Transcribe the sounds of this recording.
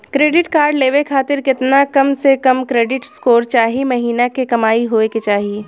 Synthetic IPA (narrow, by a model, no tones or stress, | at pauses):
kɾeːɖɪʈkaːɾɖleːʋekʰaːt̪ɪɾkɪt̪nakɐmsekɐmkɾeːɖɪʈskoːɾt͡ʃaːɦimɐɦiːnakekɐmaːiɦoːeket͡ʃaːɦi